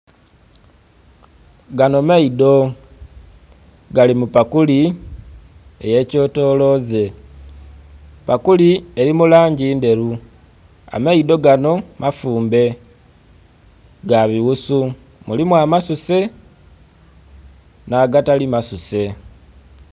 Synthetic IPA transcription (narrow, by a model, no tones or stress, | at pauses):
ɡano̞maido̞ | ɡalimupakuli | ḛje̞ːco̞to̞ːlo̞ze̞ | pakulie̞ɾimulaːɲɟiːnde̞ɾu | a̰maido̞ɡano̞mafuːmbe̞ | ɡaβiɣusu | mulimwamasuse̞ | naɡatalimasuse̞